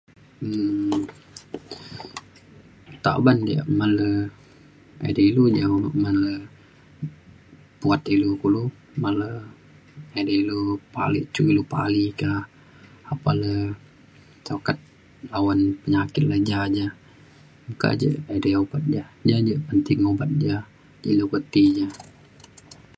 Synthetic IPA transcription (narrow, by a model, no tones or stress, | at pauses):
ə | t̪a̰bandia̰ʔmalə | a̰deilud͡ʒaumalə | puat̪ilukulu | malə | adeilupa̰lḭt͡ʃuilupa̰likaː | palə | t͡ʃakat̪̚ | lawanpəɲakɪt̪̚lad͡ʒad͡ʒa | muka̰ʔd͡ʒə̰adeobat̪̚d͡ʒad͡ʒad͡ʒəpənt̪ɪŋobat̪̚d͡ʒa | d͡ʒailukət̪id͡ʒa